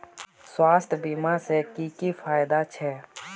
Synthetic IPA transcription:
swaːst̪ʰbiːmasekikifaːjd̪at͡ʃʰɛː

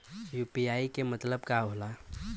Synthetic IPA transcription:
jupiaːikemət̪ləbkaɦola

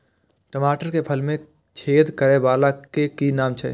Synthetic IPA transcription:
ʈəmaːʈəɾkepʰəlmẽ | t͡ʃʰeːd̪kəɾebaːlakekinaːmt͡ʃʰɛ̰

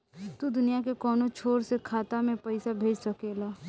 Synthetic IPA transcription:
t̪ud̪ʊnijak̬ekɔːnot͡ʃʰoːɾsekʰaːt̪amẽpɐɪsabʱeːd͡ʒsɐkeːlaː

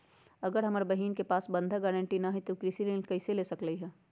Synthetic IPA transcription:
ɐɡəɾɦɐmaɾbɐɦiːnkepaːsbɐ̃nd̪ʱaɡɛːɾə̃ɳʈinaɦit̪okɾisilẽːnkɐɪseleːsɐkləiɦɛː

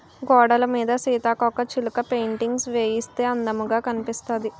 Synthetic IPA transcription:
ɡɔːɽɐlɐmiːd̪ɐsiːt̪aːkɔkːɐt͡ʃilukɐpejɳʈiŋɡsʋeːjist̪e̞ːɐnd̪ɐmuɡaːkɐnipist̪ɐːd̪i

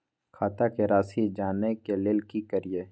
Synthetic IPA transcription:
kʰaːt̪akeɾaːsid͡ʒaːnekeleːlkikəɾije

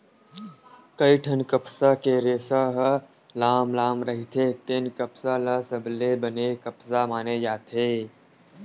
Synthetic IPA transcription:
kəiʈʰɐnkəpsakeɾeːsaɦ | laːmlaːmɾɐɦit̪ʰet̪enkəpsalasɐblebɐnekɐpsamaːned͡ʒaːt̪ʰeː

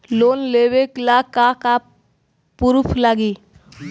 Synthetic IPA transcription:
loːnleːweklakaka | puɾʊpʰlaɡiː

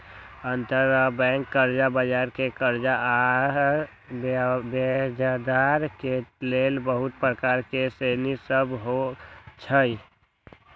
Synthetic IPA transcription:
ənt̪əɾəbɛ̃ŋkːəɾd͡ʒabəd͡ʒaɾkekəɾd͡ʒa | bed͡ʒad̪aɾkelelbəɦʊt̪̚pɾəkaɾkesenisəbɦot͡ʃʰəi

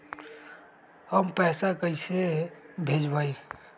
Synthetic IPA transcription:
həmpɛːsakəɪsebʱeːd͡ʒbaːi

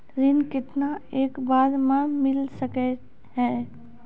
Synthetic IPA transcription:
ɾɪnkɪt̪naeːkbaːɾmãmɪlsəkɛ | ɦɛː

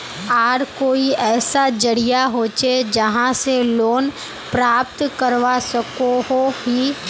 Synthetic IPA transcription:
aːɾkoːiɛːsad͡ʒɐɽijaɦoːt͡ʃed͡ʒɐɦãseloːn | pɾaːpt̪kəɾʋasɐkoɦoɦiː

